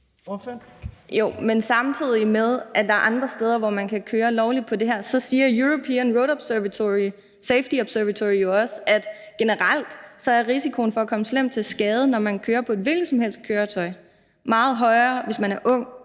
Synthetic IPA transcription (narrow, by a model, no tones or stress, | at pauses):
jo̰mensɑ̈mt͡sʰið̞̰ˠimeðˠʔæd̥ɑ̈æɐʔɑ̈nd̥ʁɐsd̥eːð̞ˠɐʋɒmænkʰækʰøːɐlɒʊlid̥̚pʰɒ̽d̥e̝ɦæɐ̰sɒ̽siːɐjuʁo̝pʰinʁoʊɾɒb̥sʋt͡sʰoi | seɪfd̥iɒ̽b̥sæɐʋæt͡sʰoijo̝ɒ̽sæd̥ | ɡ̥e̝nəʁɑl̰d̥sɒ̽æɐʁisikʰo̝n̩fɒ̽ækʰɒ̽məslem̰̥̚t͡sʰe̝lsɡ̥ɛːð̞ˠənɒmænkʰøːɐpʰɒ̽e̝d̥ʋe̝lɡ̥sɒ̽mhel̰sd̥̚kʰøːɐt͡sʰɒ̽ɪ | mɑ̈ːð̞̩ˠɦɒ̽ɪɐːʋe̝smænæɐʔɔ̽ŋ̰